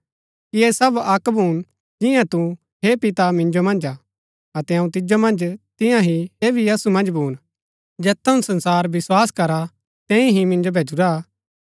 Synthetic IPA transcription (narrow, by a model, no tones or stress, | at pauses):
kiesɐbɐkbʱuːn | d͡ʒɪ̃jãt̪u | ɦepɪt̪amɪ̃nd͡ʒomɐ̃nd͡ʒaː | ɐt̪ɛɐũt̪̬ɪd͡ʒomɐ̃nd͡ʒt̪ɪ̃jãɦieːbʱiɐsumɐ̃nd͡ʒbʱuːn | d͡ʒɛːt̪ʰːɐũsɐ̃nsaːɾʋɪswaːskɐɾa | t̪ɛ̃ːĩɦimɪ̃nd͡ʒobʱeːd͡ʒuɾa